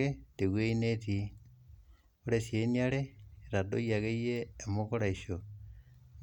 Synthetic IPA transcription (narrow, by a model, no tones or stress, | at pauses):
eteɣweineti | oɾesjeniaɾeɾadojaɣeijeːmoɣoɾaiʃo